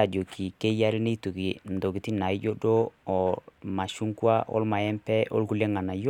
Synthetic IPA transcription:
a˨d͡ʒo˨ki˨ke˦ja˦lɪ˦ne˦tu˨ki˨n̩˨do˨ki˨ti˦na˨ɪ˦d͡ʒo˦do˦ɔ˨ma˨ʃu˦ŋkwa˦ɔ̰˦lma˨jɛ˦mpɛ˦ʔo̰˦lku˦le˦ŋa˨na˨jo˦

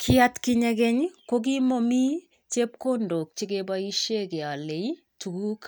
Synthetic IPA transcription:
kʰi˦a˦tki˦ɲɛ˦kɛ˦ɲko˦k̬i˦mɔ˦mi˦ | t͡ʃe˦p̚ko˦ndo˨k̚t͡ʃi˦ɡe˦bai˦ʃe˦ke˨a˨le˨i | tu˨ku˦k

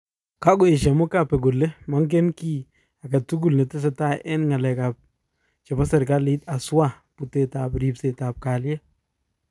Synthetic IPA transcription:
ka˦ɡʊ˨e˨ʃa˨mʊ˦ka˨pɛ˨ɡʊ˨le˦ma˦ŋk̬ɛ˦nki˦ | a˨ka˨tu˦ɡ̬u˨lne˨tɛ˦s̬ɛ˨ta˦˨ʔɛ˦nŋa˨lɛ˨ka˨p̚ | t͡ʃɛ˨ma˦sɛ˨ɾka˦lɪ˦ta˨sʊ˦wa˦˨ | pu˨te˨ta˨pɾi˨pse˨ta˨p̚ka˨ljɛ˦

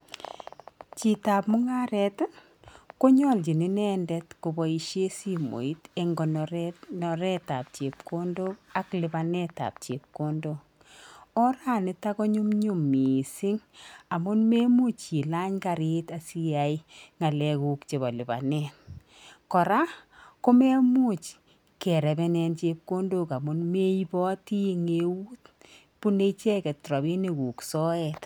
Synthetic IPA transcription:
t͡ʃi˨ta˨p̚mʊ˦ŋa˦ɾɛ˦t | ko˦ɲɔlt͡ʃi˨ni˦nɛndɛtku˨bɔ˨iʃe˦simo̰˨i˦teŋɡɔ˨nɾnɔɾɛta˨p̚t͡ʃe˨p̚ko˦ndo˦ka˦klɪba˨nɛta̰˨p̚t͡ʃe˨p̚ko˦ndok | ɔ˦ɾa˦nɪ˦ta˦kɔ˦ɲu˦mɲu˦mːi˨sɪ˦ŋa˨mʊ˦nme˦mu˦t͡ʃːi˨la˦ɲka˨ɾi˦ta˨si˦ja˨iŋa˨lɛ˨ku˨kt͡ʃe˨βɔ˨lɪ˨ba̰˨nɛ˦n | kɔ˨ɾa˦ko˦me˦mu˦t͡ʃ | kɛ˨ɾɛ˨bɛ˦nɛ˦nt͡ʃe˧p̚ko˦ndo˦˨ka˨mʊ˦nme˦i˦bɔ˦ti˦ŋe˦wuː˦t | pu˦ne˦t͡ʃɛ˦kɛ˨tɾɔ˨βi˦ne˨ku˨ksɔ˦ɛ˨t

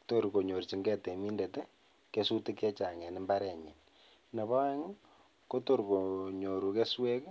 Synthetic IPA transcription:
to˦ɾko˨ɲo˨rt͡ʃi˨ŋɡɛ˦˨te˨mi˦nde˨te˦ | ke˦su˦tɪ˦kɛ˦t͡ʃa˨ŋɛ˨ni˦mba˦ɾɛ˨ɲi˨n | na˨βa˦ŋ | ko˦to˦˨ɾko˨ɲo˨ɾu˨ke˦swe˦k

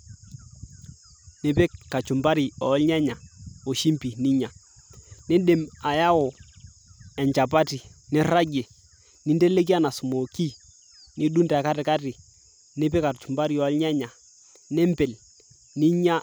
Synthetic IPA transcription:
ne˨pe˦kːa˨t͡ʃu˨mba˦ɾi˨ɔ˨˦lɲɛ˦ɲa˨o˨ʃi˦mpi˨ni˦ɲa˨ | ne˦ɗe˨ma˨ja˦wo˨ | ɛ˨ɲt͡ʃa˨pa˦ti˨ni˦ɾa˦ɟe˨ | ni˦nde˦le˦k̬i˦a˦na˨su˨mo˨ki˦ | ni˦du˦nta˨ka˦tɪ˨ka˦ti˨ | ne˦p̬e˦ka˨t͡ʃu˨mba˦ɾi˨ɔ˨˦lɲɛ˦ɲa˨ | ne˦mpe˨l | ni˦ɲa˦

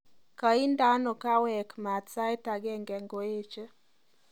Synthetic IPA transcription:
ka˨i˦nda˦nɔ˨ka˦wɛ˨kma˨sa˦jta˨ɡɛ˦ŋɡɛ˨ŋɡo˨e˦t͡ʃe˦

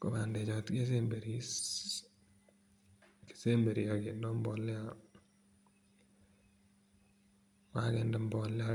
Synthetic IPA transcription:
kɔ˨ba˨ndɛ˨t͡ʃɔ˨tke˦s̬e˦mbe˨ɾis | ke̥˨se˦mbe˨ɾi˨aɡe˨ndɔ˦mbɔlːɛ˦a | wa˦kɛ˨ndɛmbɔlːa

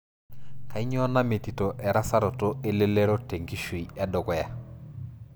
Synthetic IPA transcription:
ka˨i˦ɲ˦ɔ˦na˦me˨ti˨tɔ˨ʔɛ˨ɾa˦sa˦ɾɔ˨to˦e˦le˦lɛ˦ɾɔ˦te˨ŋɡi˦ʃwi˨a˦dɔ˨kɔ˦ja˨

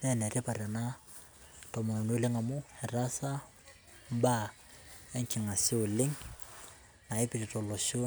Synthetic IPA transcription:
nɛ˦nɛ˨ɾɪ˦pa˨ɾa˨na˦ | tɔ˨mɔ˨nɔ˨n˦o˦lɪ˦ŋa˨mʊ˦hɛ˨ɾa˦sa˦ | m̩˦ba˦ | ɛ˦ŋkʰi˨nŋa˨sɪ˦ʊ˨lɪ˦ŋ | na˨ɪ˦pi˨ɾi˨tɔ˨lɔ˨ʃo˦

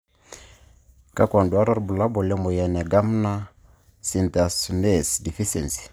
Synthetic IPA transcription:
ka˦kwa˨ndu˨a˦ɾɔ˦ɾbu˨la˦bɔ˨lɛ˦mɔ˨jɛ˨nɛ˨ɡa˦m˦na˦ | si˨nta˨snɛ˦˨sdi˨fi˦sɛ̰˨nsi̥˨

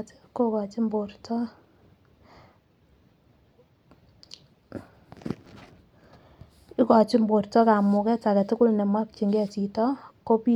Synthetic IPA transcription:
tko˦kɔ˨t͡ʃi˦mbo˨ɾtɔ˦ | i˦kɔ˨t͡ʃi˦mbo˨ɾtɔ˦ka˨mʊ˨kɛ˦ta˨kɛ˨tʊ˦kʊ˦lnɛ˨mwa˦k̚t͡ʃi˨ŋɡɛ˦t͡ʃi˨tɔ˦ko˦pi˦

